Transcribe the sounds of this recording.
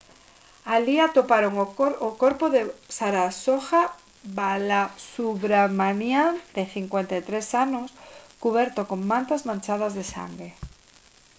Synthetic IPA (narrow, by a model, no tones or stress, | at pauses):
aliat̪opaɾoŋokoɾpoðesaɾasoxa | balasuβɾamanjad̪eθiŋkwent̪et̪ɾesanoskuβ̞eɾt̪okoŋmãnt̪azmãnt͡ʃað̞azðesa̰ŋɡɾe